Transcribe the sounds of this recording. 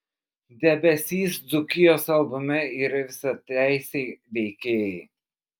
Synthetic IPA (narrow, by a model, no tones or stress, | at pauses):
d̪ʲɛbʲɛsʲiːsd̪zʊkʲɪjoːsɐlˠbʊmʲɛiːɾɐʋʲɪsɐt̪ʲæɪsʲeɪʋʲɛɪkʲeːjɛɪ